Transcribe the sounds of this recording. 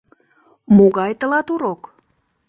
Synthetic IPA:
moɣɑjt̪əlɑt̪uɾok

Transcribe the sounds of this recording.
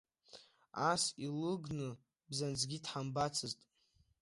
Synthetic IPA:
asilɨɡnɨ | bzand͡zɡʲidħambat͡sʰɨztʼ

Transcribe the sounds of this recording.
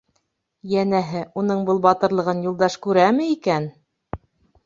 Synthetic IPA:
jænæɦɘʔunɤɴbɤlˠbɑt̪ɤ̆ɾlˠɤ̆ʁɤnjulˠd̪ɑʃkʉɾæmɘikæn

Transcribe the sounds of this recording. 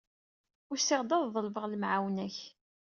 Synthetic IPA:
ʊɾsːɪʁd̪ɑððˤəlvəʁləmʕawnæç

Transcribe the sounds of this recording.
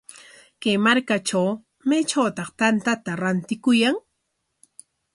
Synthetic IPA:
kajmaɾkaʈ͡ʂaw | met͡ʃawt̪ɑχt̪ant̪at̪aɾant̪ɪkʊjaŋ

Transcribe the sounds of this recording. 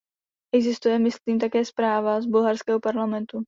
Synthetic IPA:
ʔɛɡzɪst̪ujɛmɪsliːmt̪akɛːspɾaːvazbulɦaɾskɛːɦopaɾlamɛnt̪u

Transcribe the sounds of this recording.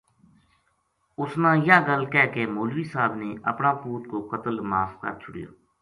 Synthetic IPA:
ʊsnãːjãːɡəlkɛːkeːmoːlʋiːsaːbneːə̰pnãːpuːt̪koːkət̪əlmaːfkə̰ɾt͡ʃʰʊɽjo̰ː

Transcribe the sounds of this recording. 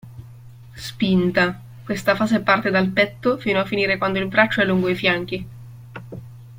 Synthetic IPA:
spint̪a | kwest̪afaːzepart̪ed̪alpɛt̪ːofiːnoafːiniːɾekwand̪oilbɾat͡ʃːoɛlːuŋɡoifjaŋk̟i

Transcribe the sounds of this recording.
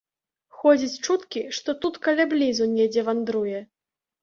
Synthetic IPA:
xɔd͡zʲit͡sʲt͡ʂut̪kʲiʂt̪ɔt̪ut̪kɐlʲablʲizunʲɛd͡zʲɛvand̪ɾujɛ

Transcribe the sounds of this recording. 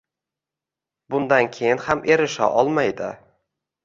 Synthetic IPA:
bʊnd̪ankʲʰejɪnhamʔe̞ɾɪʃa̰ʔɒlˠmajd̪ɪ

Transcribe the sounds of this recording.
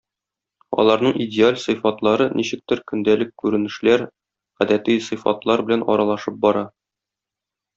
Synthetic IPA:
ɒ̰lˠɑɾnɤɴʔidʲɪalʲsɤjfɑt̪lˠɑɾɤnʔiɕɘ̆k̚t̪ɘɾkɵ̆nd̪ælɘkkːʉɾɘ̆nɘ̆ʃlæɾ | ʁæd̪æt̪ijsɤ̆fɑ̰t̪lˠɑɾbɘ̆lænʔɒ̰ɾɑlˠɑʃɤp̚bɒɾɑ

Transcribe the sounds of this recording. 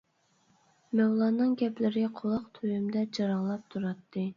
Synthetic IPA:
mɛwlˠɑːnɨŋɡʲɛplɪɾɪqʰolˠɑqt̪ʰøjymd̪ɛd͡ʒɑɾɑŋlˠɑp̚t̪ʰuɾɑt̪ʰːɨ

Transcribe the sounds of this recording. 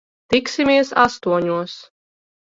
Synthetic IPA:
t̪iksimiɛsa̰st̪uɔɲuɔs

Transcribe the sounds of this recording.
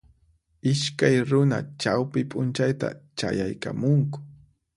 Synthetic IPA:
ɪʃkajɾʊnat͡ʃawpɪpʼʊnt͡ʃajt̪a̰t͡ʃa̰jajkamʊŋkʊ̥

